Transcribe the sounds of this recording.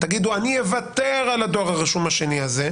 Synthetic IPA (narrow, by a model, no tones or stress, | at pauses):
t̪aɡid̪uanievat̪eʁalad̪oʁhaʁiʃumaʃe̞niaze